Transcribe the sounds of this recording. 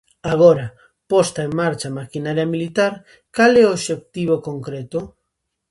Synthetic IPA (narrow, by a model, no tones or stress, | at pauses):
aɣ̞oɾa | post̪aeŋmaɾt͡ʃamakinaɾjamilit̪aɾ | kaleoβʃek̚t̪iβ̞okoŋkɾet̪o